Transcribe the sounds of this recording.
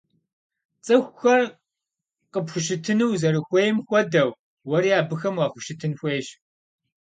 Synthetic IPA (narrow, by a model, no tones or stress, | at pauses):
t͡sʼɨxʷxɐr | qəpxʷʊʃ̬ɪtʰɨnɨwzɐɾɨxʷejɪmxʷɔdɐw | wɐɾiːaːbɨxɐmwɑːxʷʊʃɪtʰɨnxʷeːɕ